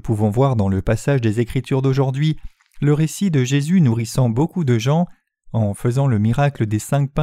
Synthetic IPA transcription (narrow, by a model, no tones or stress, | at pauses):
puvɔ̃vwaʁd̪ɑ̃ləpasaʒd̪ezekχit̪yʁd̪oʒuʁd̪ɥi | ləʁesid̪əʒezynuʁisɑ̃bokud̪əʒɑ̃ | ɑ̃fəzɑ̃ləmiʁakləd̪esɛ̃k̚pɛ̃